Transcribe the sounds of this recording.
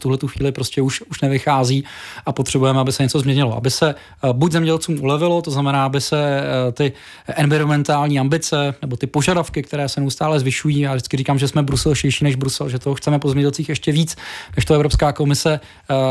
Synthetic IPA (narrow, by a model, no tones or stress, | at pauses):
t̪uɦlɛt̪uxʋḭːlɪpɾoscɛuʃuʃnɛvɪxaːziːʔapot̪r̝̥ɛbujɛmɛabɪsɛɲɛt͡so̞zmɲɛɲɪloʔa̰bɪsɛ | buczɛmɲɛɟɛlt͡suːmʔulɛvɪlo̞t̪oznamɛnaːabɪsɛt̪ɪ | ʔɛnvɪɾomɛnt̪aːlɲiːambɪt͡sɛnɛbot̪ɪpoʒadafkɪkt̪ɛɾɛːsɛnɛust̪aːlɛzvɪʃujiːjaːʒdɪt͡sskɪɾiːkaːmʒɛsmɛbɾusɛlʃɪɾʃiːnɛʒbɾusɛlʒɛt̪oɦoxt͡sɛmɛpo̞zɛmɲɛɟɛlt͡siːxjɛʃcɛviːt͡snɛʃt̪oɛvɾo̞pskaːko̞mɪsɛ